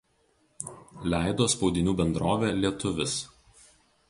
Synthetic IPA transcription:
lʲæˑɪd̪oːspɒʊd̪ʲɪnʲuːbʲɛnd̪ɾoːʋʲeːlʲiɛt̪ʊʋʲɪs

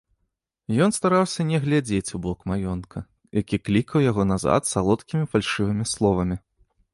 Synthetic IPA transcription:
jɔnst̪aɾawsʲɐnʲɛɣlʲad͡zʲet͡sʲubɔkmajɔnkʰɐ | jakʲiklʲikɐwjaɣɔnaza̰t̪salˠɔt̪kʲimʲifalʲʂɨvɨmʲislˠɔvɐmʲi

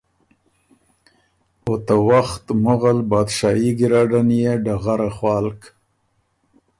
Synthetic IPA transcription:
ot̪awaxt̪mʊɣalbɑd̪ʃɑiɡɪɾɑɖanjeɖaɣaɾaχwɑːlk

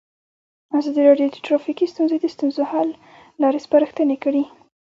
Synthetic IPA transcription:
azɑd̪iɾɑɖjod̪əʈɾɑfikist̪unzed̪əst̪unzohɑlː | ɑɾespaɾəxt̪ənekəɽi

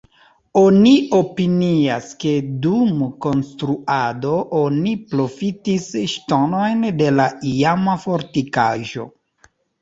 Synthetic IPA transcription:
onio̞piniaske̞dumko̞nstɾuado̞ʔonipɾo̞fitisʃtono̞jnde̞laiamafoɾtika̰ʒo̞̰

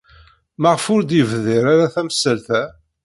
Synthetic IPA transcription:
məʁfʊɾd̪əvðiɾaɾaθæməsːəlθæ

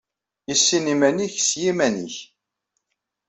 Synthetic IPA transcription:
jəsːinimæniçsjimænḭç

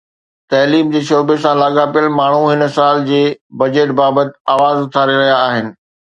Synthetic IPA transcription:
t̪ɐːliːmd͡ʑeːʃoːbesãlaːɠapijəlmaːɳ̤uɦɪnsaːld͡ʑeːbɐd͡ʑeːʈbaːbət̪ɪ̥aːʋaːzʊt̪ʰaːɾeɾɐɦijaːɦɪnɪ̆

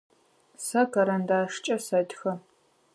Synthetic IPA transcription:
sɐkɐɾɐndaːʂt͡ʃʼɐsɐdxɐ

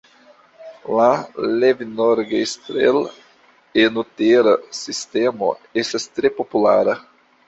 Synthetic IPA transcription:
lalevinoɾɡestɾḛl | enuteɾasistemo̰estastɾepopulaɾa

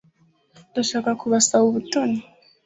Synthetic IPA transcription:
daʃakakuβasauβutɔni

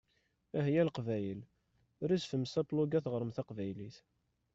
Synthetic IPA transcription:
æɦjælqvæjəl | ɾisfəmsæpluɡæθʁəɾˤəmθæqvæjliθ

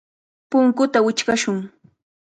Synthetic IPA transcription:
pʊŋkʊt̪awɪt͡ʃkaʃʊŋ

